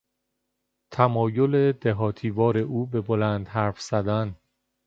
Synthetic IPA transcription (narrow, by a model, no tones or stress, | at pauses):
t̪ʰæmɒːjole̞d̪eɦɒːt̪ʰiːvɒːɾe̞ʔuːbe̞bolænd̪̥ɦæɾfz̥æd̪æn